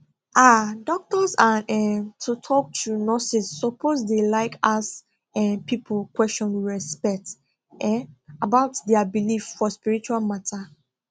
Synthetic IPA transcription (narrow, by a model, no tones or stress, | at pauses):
ʔadɔk̚tɔsaɛtʰutʰɔk̚tʰunɔsisːɔpʰozdelaɪkas | ɛpipʰlkwɛst͡ʃɔ̃nwiɹɛspɛk̚t | ɛabaʊtdɛabilifːɔspiɹit͡ʃualmatʰa